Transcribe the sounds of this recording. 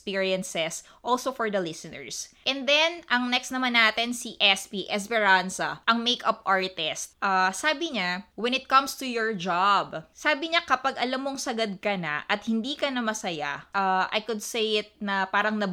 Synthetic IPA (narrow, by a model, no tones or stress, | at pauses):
spiːɹiɐnsɛs | ʔolsofɔɹd̪ɐlɪsɪnɛ̰ɹsʔɛnd̪ɛnʔɐŋnɛkst̪nɐmanːaːt̪ɪnsiʔɛspiʔɛsbɛɹansɐʔɐŋmejkɐp̚ʔaɹt̪ɪst̪̚ʔaːsaːbɪɲawɛ̃nɪt̪̚kɐ̃mst̪ujɔɹd͡ʒabsaːbɪɲakɐpaɡʔɐlamːoŋsɐɡɐd̪̚kɐna̰ʔɐt̪̚hɪnd̪iːkɐnɐmɐsɐja̰ʔaʔɐ̰jkʊd̪̚sejɪt̪̚nɐpaːɾɐŋnɐ